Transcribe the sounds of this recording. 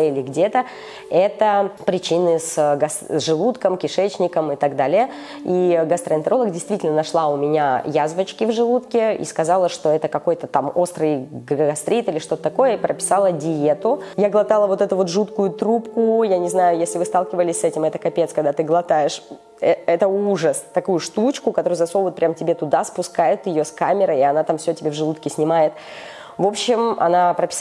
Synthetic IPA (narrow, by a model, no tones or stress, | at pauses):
ɪlʲɪɡdʲe̞t̪ə | ɛt̪əpɾʲɪt͡ɕinɨsɡɐsʐɨlˠut̪kəmkʲɪʂɛt͡ɕnʲɪkəmɨt̪aɡd̪alʲɪjə | iɡɐst̪ɾəɪnt̪əɾo̞lˠəɡdʲɪjst̪vʲitʲɪlʲnənɐʂlˠaʊmʲɪnʲajazvət͡ɕkʲɪvʐɨlˠut̪kʲɪḭskɐzɑlˠəʂt̪o̞ɛt̪əkɐkojt̪ət̪amo̞st̪ɾɨjɡɐst̪ɾʲit̪ilʲɪʂt̪o̞t̪ət̪ɐko̞jəipɾʔəpʲɪ̥sɑlˠədʲɪe̞t̪ʊjaɡlˠɐt̪alˠəvo̞t̪ɛt̪ʊvo̞t̪ʐut̪kʊjʊt̪ɾupkʊjanʲɪznajʊjesʲlʲɪvɨst̪alˠkʲɪvəlʲɪsʲsɛtʲɪmɛt̪əkɐpʲet̪skɐɡ̚d̪at̪ɨɡlˠɐt̪ajɪʂ | ɛɛt̪əuʐəst̪ɐkujʊʂt̪ut͡ɕkʊkɐt̪oɾʊjʊzɐsovot̪̚pɾʲamtʲɪbʲet̪ʊd̪aspʊskajʊt̪jɪjoskamʲɪɾəɪɐnat̪amfsʲotʲɪbʲevʐɨlˠut̪kʲɪsʲnʲɪmajɪt̪ | vo̞pɕːɪmɐ̰napɾəpʲɪ̥